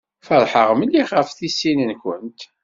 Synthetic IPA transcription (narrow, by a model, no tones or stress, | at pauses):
fəɾħəʁməliχəfθisːinənkʷənt̪